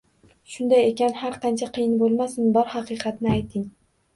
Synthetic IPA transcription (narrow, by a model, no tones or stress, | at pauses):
ʃʊnd̪aje̞kʲanhaɾqʰɑnt͡ʃʰaqʰɨjɪnbolˠmasɪnbɒɾhɑqɨqʰɑt̪nɪajt̪ʰɪŋ